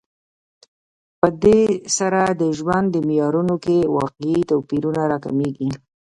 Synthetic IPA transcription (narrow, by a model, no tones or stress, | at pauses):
pəd̪esaɾad̪əʒwand̪ːəmɪjɑɾunokewɑqeit̪apiɾunaɾɑka̰meɡi